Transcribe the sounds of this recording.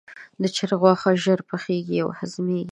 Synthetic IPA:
d̪ət͡ʃɪɾɣwɑxaʒəɾpəxeɡia̰whazmeɡi

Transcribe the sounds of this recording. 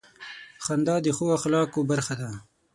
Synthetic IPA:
xand̪ɑd̪əxowaxlɑːkobaɾxad̪a

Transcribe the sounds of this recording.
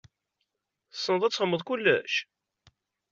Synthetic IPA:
sːənəðˤæt͡sːhəmːəðˤkulːæʃ

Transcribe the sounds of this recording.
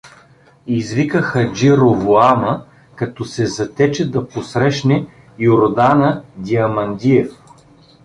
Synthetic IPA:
izvikəxəd͡ʒiɾovoamə | kɐt̪ɔsɛzɐt̪ɛt͡ʃɛd̪ɐposɾɛʃnɛ | joɾd̪anəd̪ʲiɐmɐnd̪ʲiɛf

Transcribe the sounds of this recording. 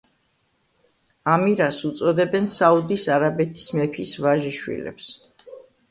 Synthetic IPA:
amiɾasut̪sʼɔd̪ɛbɛnsaud̪isaɾabɛt̪ʰi̥smɛpʰisvaʒiʃwḭlɛ̰ps

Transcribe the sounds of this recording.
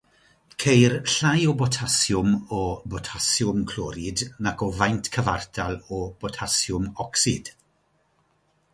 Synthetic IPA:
kʰejrɬajɔbɔtʰasjʊmɔbɔtʰasjʊmkʰlɔɾɪdnakʰɔvajntʰkʰəvardʰalˠɔb̥ɔtʰasjʊmɔksɪd̥

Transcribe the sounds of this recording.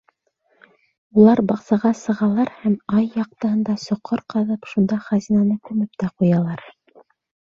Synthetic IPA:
ulˠɑɾbɑqsɑʁɑsɤ̆ʁɑlˠɑɾhæmɑjːɑq̚t̪ɤ̆ɦɤ̆nd̪ɑsŏqʰːɤɾqɤ̆ðɤpʃund̪ɑχæzʲinɑnɤkʉmɘp̚t̪æqujɑlˠɑɾ

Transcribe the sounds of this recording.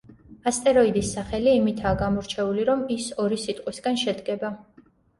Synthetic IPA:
ast̪ʼɛɾɔid̪isːaχɛliːmit̪ʰaːɡamɔɾt͡ʃʰɛuliɾɔmisɔɾisit̪ʼqʼwisɡanʃɛd̪ɡɛba

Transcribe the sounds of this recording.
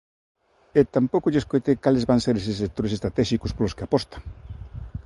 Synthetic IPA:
et̪ampokoʎeskojt̪ekalezβaŋseɾes̬esek̚t̪oɾesest̪ɾat̪ɛʃikospoloskeapɔst̪ḁŋ

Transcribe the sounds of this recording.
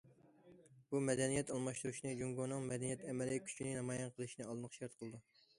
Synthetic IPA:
b̥umɛd̪ɛnijɛt̪ɑlˠmɑʃt̪uɾuʃinɨd͡ʒuŋɡonɨŋmɛd̪ɛnijɛt̪ʰɛmɛlɪkʲʰy̥t͡ʃʰinɪnɑmɑjɛnqʰəlˠɨʃinɨɑlˠɨnəχʃɛɾt̪qʰəlˠɨd̪u

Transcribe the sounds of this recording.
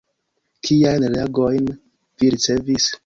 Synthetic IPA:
kʰijajnlaɡojn | viɾit͡se̞vis

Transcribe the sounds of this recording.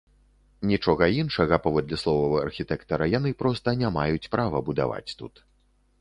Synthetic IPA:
nʲit͡ʂɔɣɐinʂɐɣɐpavɔd̪lʲɐslˠɔvɐvɐɐrxʲit̪ɛkt̪ɐɾɐjan̪ɨpɾɔst̪ɐnʲamajut͡sʲpɾavɐbud̪a̰va̰t͡sʲt̪ut̪

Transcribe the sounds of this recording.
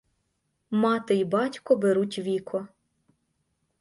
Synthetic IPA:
mɑt̪ɪibɑtʲkɔbeɾutʲʋʲikʰɔ

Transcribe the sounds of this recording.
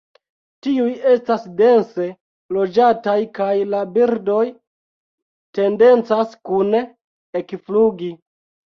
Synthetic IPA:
tiuje̞stasde̞nse̞ | lo̞d͡ʒatajkajlabiɾdo̞j | te̞nde̞nt͡saskun | ekfluɡi

